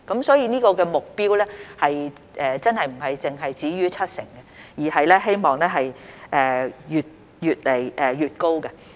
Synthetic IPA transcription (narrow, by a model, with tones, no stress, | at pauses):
kɐ˨˥msɔː˨˥jiː˨˧niː˥kɔː˧kɛː˧mʊ˨k̚piː˥wlɛː˥hɐ˨j | ʔɛː˨t͡sɐ˥nhɐ˨jm̩˨˩ɦɐ˨jt͡sɪ˨ŋɦɐ˨jt͡siː˨˥jyː˥t͡sʰɐ˥t̚sɪ̰˨˩ŋɡɛ˧jiː˨˩hɐ˨jlɛː˥ɦe˥jmɔː˨˩ŋlɛː˥ɦɐ˨jʔɛː˨˧jyː˨t̚ | jyː˨t̚le˨˩jʔɛː˨jyː˨t̚ko˥wkɐ˧